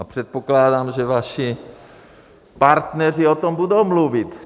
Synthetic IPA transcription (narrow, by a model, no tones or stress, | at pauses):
apr̥ɛt̪̚poklaːdaːmʒɛvaʃi | paɾt̪nɛr̝iot̪o̞mbudowmluvɪt̪